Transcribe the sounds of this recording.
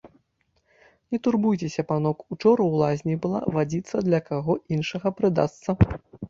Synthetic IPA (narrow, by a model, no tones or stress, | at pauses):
nʲɛt̪urbujt͡sʲesʲɐpanɔkut͡ʂɔɾɐwlˠazʲnʲijbɨlˠa̰vad͡zʲit̪sːɐd̪lʲɐkaɣɔinʂɐɣɐpɾɨd̪a̰st̪sɐ